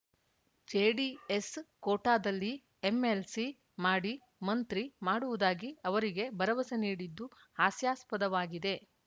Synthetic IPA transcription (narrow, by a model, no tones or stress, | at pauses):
d͡ʒeːɖieskoːʈaːd̪ɐlːi | eme̞lsi | maːɽi | mɐnt̪ɾimaːɽuʋud̪aːɡiɐʋɐɾiɡe̞bɐɾɐʋɐsɐniːɽid̪ːu | aːsjaːspɐd̪ɐʋaːɡid̪e̞